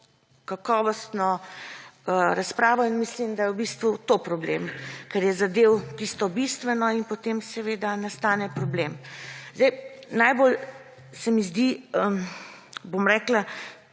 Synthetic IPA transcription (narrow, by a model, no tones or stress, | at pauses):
kakɔːʋɔst̪nɔ | əɾaspɾaːʋɔinmislimd̪ajɛwbist̪ʋut̪opɾɔblḛːmkɛɾjɛzad̪ewt̪ist̪ɔbist̪ʋɛnɔinpot̪emsɛʋeːd̪anast̪aːnɛpɾɔblemzd̪ɛjnajbol | sɛmizd̪iə | bomɾɛːkla